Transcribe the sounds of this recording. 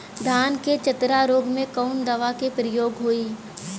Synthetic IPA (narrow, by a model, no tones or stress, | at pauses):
d̪ʱaːnket͡ʃɐt̪ɾaɾoːɡmẽkɔʊnd̪ɐʋakepɾɪjoːɡɦoiː